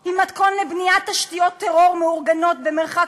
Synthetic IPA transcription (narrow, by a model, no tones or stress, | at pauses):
imat̪konlebniat̪ːaʃt̪ijo̞t̪ːeʁo̞ʁmeuʁɡano̞t̪bemeʁχa